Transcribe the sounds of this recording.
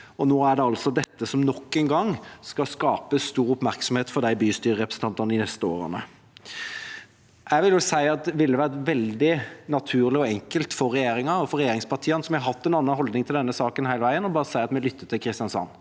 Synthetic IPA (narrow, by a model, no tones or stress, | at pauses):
ɔnoːæɖɛɑlsɔd̪ɛt̪ːəsɔmnɔkːɛnɡɑŋskɑskɑːpəst̪uːɾʊpmæɾksɔmheːt̪fɔɾd̪æɪbyːst̪yːɾəɾɛpɾəsn̩t̪ʰɑnt̪ɑnd̪ɪnɛst̪əo̰ːɾə̰nə | æʋɪljʊsæɪɑt̪̚d̪ʋɪlːəʋæːɾəʋɛld̪ɪnɑt̪ʰʉːɾlɪɔɛŋkəlt̪fɔɾːɛjeːɾɪŋɑɔfɔɾɛjeːɾɪŋspʰɑʁʈʰiːənsɔmjæhɑɾɦɑt̪ːɛnɑnːɑnɦɔld̪nɪŋt̪ʰɪld̪ɛnːəsɑːkənhæɪləʋæɪənɔbɑːɾəsæɪɑt̪mɛlʏt̪ːət̪ɪlkʰɾɪst̪ɪjɑnsɑ̰nː